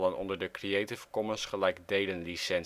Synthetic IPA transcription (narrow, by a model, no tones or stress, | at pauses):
lənɔ̰ndəɹdəkriejtɪfkɔmənsχəlɛjkdejlənlisɛn